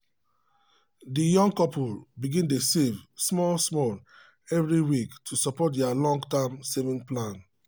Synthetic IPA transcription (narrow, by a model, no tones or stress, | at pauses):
dijɔ̃ŋ̚kɔpulbiɡĩntesevsmɔlsmɔl | ɛvɹiwiktʰusɔpɔt̚dɛalɔ̃ŋɡtamsevĩŋplãn